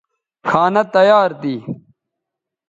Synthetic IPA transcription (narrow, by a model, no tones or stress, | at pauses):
kʰaːnɐt̪ɐjaːɾt̪iː